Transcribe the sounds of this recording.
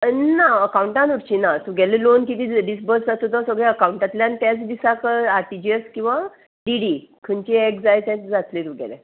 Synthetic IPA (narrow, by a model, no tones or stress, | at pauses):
naəkauɳʈãnuɾt͡ɕinat̪uɡɛlelonkit̪ĩɖisbəɾsd͡zat̪ot̪ɔsəɡɭɛəkawuɳʈãt̪ljãnt̪jat͡sd̪isakəaɾʈid͡ʑiəskĩw̃ʋa | ɖiɽikʰənt͡ɕiekd͡zajt̪ãt͡sd͡zat̪let̪uɡɛ̰le